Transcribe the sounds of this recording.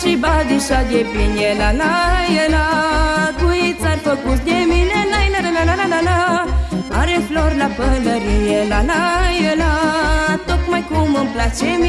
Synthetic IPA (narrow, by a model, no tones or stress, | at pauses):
ibad̪iɕad̪epinjɛlanajɛlat̪uit͡saɾtəkusdeminɛnainaɾəlanalanala | aɾeflɔɾlabələɾijɛlanajɛlat̪ɔkmajkuməmplat͡ɕemi